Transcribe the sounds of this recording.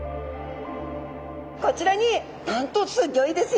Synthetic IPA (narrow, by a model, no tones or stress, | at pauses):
ko̞t͡ɕiɾaɲ̟i | nãnt̪o̞t͡sɨɡʲo̞id̪e̞sɨ